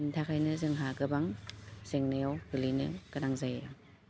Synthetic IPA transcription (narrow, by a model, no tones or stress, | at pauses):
ntʰakʰajnɯzɯŋɦaɡɯbaŋz̥eŋnajawɡɯlinɯ̰kanaŋzajja